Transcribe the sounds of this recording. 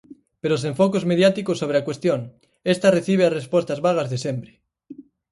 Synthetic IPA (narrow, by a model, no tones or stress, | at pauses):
peɾos̬eɱfokozmeðjat̪ikosːoβ̞ɾeakwest̪joŋ | est̪areθiβ̞easrespwost̪azβaɣ̞azðesembɾe